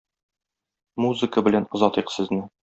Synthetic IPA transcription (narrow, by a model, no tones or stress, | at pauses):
muzɨkəbɘ̆lænŏzɒt̪iqsɘ̆znɘ